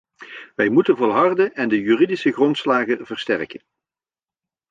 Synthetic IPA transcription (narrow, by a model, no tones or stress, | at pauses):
ʋɛjmutənvɔlˠɦɑrdənʔɛndəjyːridisəɣrɔntslaːɣənvərstɛrkən